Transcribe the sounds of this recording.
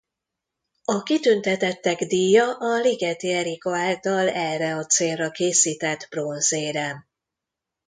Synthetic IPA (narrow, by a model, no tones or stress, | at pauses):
ɒkit̪ynt̪ɛt̪ɛt̪ːɛɡd̪iːjɒʔɒliɡɛt̪iɛɾikoaːlt̪ɒlɛrːɛɒt̪seːlrɒkeːsiːt̪ɛd̪bronzeːɾɛ